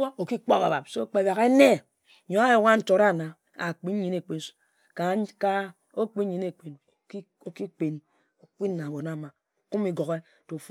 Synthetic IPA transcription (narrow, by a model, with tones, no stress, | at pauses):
o˦o˨ki˦k͡po˦ba̰˨ba˨p̚so˦k͡pe˦ba˨ɣe˦ne˦˨ | ɲo˨a˦jo˨ŋ˦a˦n̩˦to˨ɾa˦˨na˨ | a̰˨k͡pi˦i˨ne˨k͡pi˦n̩˦su̥˨ | ka˨˦ka˦ | o˦k͡pi˦ɲi˨ne˨k͡pe˨n˦ | o˦ki˦k͡pe˨n | o˨k͡pi˦n˦na˨bo˨na˦˨ma˨ | ku˦mi˨ɡo˨ɣe˦ | to˨f